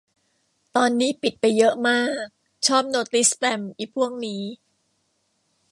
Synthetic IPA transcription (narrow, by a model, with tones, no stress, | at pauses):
t̪ɔː˧nːiː˦˥pi˨˩t̪̚pa˧jːɤ˦˥ʔmaː˥˩k̚ | t͡ɕʰɔː˥˩p̚noː˧t̪̚li˦˥splɛ˧mʔiː˨˩pʰu˥˩əŋniː˦˥